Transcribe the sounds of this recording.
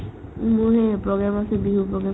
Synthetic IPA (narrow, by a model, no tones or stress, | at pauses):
muɹɦɛpɹɔɡamasɛbiɦupɹɔɡɹa